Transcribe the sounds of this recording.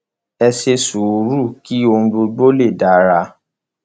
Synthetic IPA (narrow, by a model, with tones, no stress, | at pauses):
ɛ˧ʃe˧su˨u˨ɾu˦˨ki˦o˧ũ˧ɡ͡bo˧ɡ͡bo˦le˦˨da˨˦ɾa˧˦